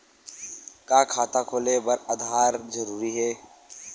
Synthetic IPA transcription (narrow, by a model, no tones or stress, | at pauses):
kaːkʰaːt̪akʰoːlebɐɾɐd̪ʱaːɾd͡ʒɐɾuːɾiɦɛː